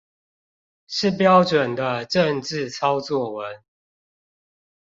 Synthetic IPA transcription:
ʂɻ̩˥˨pjɑ˦ʊʈ͡ʂwə˨˩nd̪ə˦ʈ͡ʂə˥˨ŋʈ͡ʂɻ̩˥˨t͡sʰɑ˦ʊt͡swɔ˥˨˩wə˨˦n

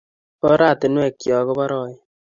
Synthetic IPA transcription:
pɔ˦ɾaː˦˨t̪ɪ˨nwɛ˦˨kːjɔ˨ɣɔ˦bɔ˦ɾɔː˦˨j

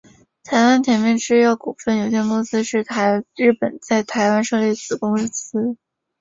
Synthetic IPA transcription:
t̪ʰa˧˥ɪwa˥nt̪ʰjɛ˧˥nmjɛ˥˧nʈ͡ʂɻ̩˥jɑ˥˩ʊku˨˩fə˥˩njo˨˩ʊɕjɛ˥˩nkʊ˥ŋsɹ̩˥ʂɻ̩˥˩t̪ʰa˧˥ɪɻɻ̩˥˩pə˨˩nt͡sa˥˩ɪt̪ʰa˧˥ɪwa˥nʂɤ˥˧ljɛ˥˩t͡sɹ̩˨˩kʊ˥ŋ̩˥˩s̩˥

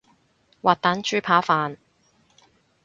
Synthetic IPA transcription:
wʔaː˨t̚t̪aː˨˥nt͡ʃyː˥pʰaː˨˥faː˨n

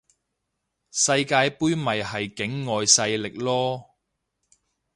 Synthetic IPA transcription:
sɐ˧jkaː˧jpuː˥jmɐ˨jhɐ˨jkɪ˨˥ŋːɔː˨jsɐ˧jlɪ˨k̚lɔː˥

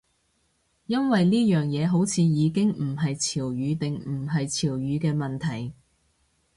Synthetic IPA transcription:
jɐ˥nwɐ˨jliː˥jœː˨˩ŋjɛː˨˧ɦo˨˥wt͡sʰiː˨˧jiː˨˧kɪ˥ŋm̩˨˩ɦɐ˨jt͡sʰiː˨˩wjyː˨˧t̪ɪ˨ŋm̩˨˩ɦɐ˨jt͡sʰiː˨˩wjyː˨˧kɛː˧mɐ˨nt̪ʰɐ˨˩j

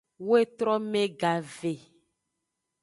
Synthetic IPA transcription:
wo˦e˦t̪ɾɔ˦mẽ˦ɡa˨ve˨

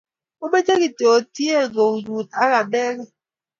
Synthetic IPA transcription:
o˦me˦d͡ʒe˦ɣi˨te˨o˨ti˦e˦˨ŋo˨ɲu˨t̚a˦ɣa˨mɛ˦ɣɛ˦

